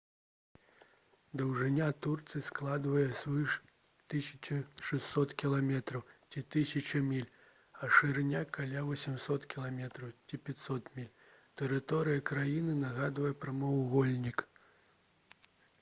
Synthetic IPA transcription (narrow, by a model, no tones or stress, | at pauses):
d̪ɐwʐɨnʲat̪urt̪sɨsklˠad̪vɐjɛsʲvɨʂ | t̪ɨsʲɐ̥t͡ʃɐʂɛsːɔt̪kʲilˠamʲɛt̪ɾɐwt͡sʲit̪ɨsʲɐt͡ʃɐmʲilʲ | ɐʂɨɾnʲakʰalʲavɐsʲɛmsɔt̪kʲilˠamʲɛt̪ɾɐwt͡sʲipʲat̪ʲsɔt̪mʲilʲ | t̪ɛɾɨt̪ɔɾɨjɐkɾajinɨnɐɣad̪vɐjɛpɾɐmɐwuɣɔlʲnʲik